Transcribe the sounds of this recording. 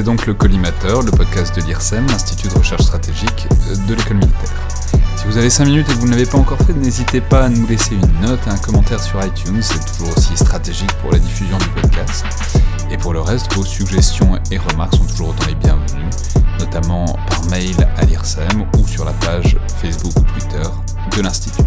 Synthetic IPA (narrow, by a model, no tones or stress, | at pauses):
sɛd̪ɔ̃kləkɔlimat̪œʁləpɔd̪̚kʲast̪̚d̪əliʁsɛmlɛ̃st̪i̥t̪ʰyd̪əʁəʃɛʁʃst̪χat̪eʒik | d̪ələkɔlminit̪ɛʁ | sivuzavesɛ̃minyt̪ekvunlavepaɑ̃kɔʁfɛnezit̪epaːnuleseynːɔt̪eɛ̃kɔmɑ̃t̪ɛʁsyʁajt̪ʰynsɛt̪u̥ʒuʁosist̪χat̪eʒikpṵʁla̰d̪ifyzjɔ̃d̪ypɔd̪kʰast̪ | epuʁləʁɛst̪vosyɡʒɛst̪jɔ̃ | eʁəmaʁksɔ̃t̪uʒuʁot̪ɑ̃ebjɛ̃vny | nɔt̪amɑ̃ | paʁmɛjla̰liʁsɛmusyʁlapaʒ | fɛjsbukut̪wit̪ʰœʁ | d̪əlɛ̃st̪i̥t̪ʰy̥